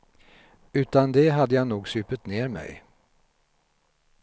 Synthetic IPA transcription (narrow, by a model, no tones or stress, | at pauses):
ʉ̟ːt̪and̪ɛɦad̪ːəjanuːɡsʉːpət̪neːɾmɛ̰j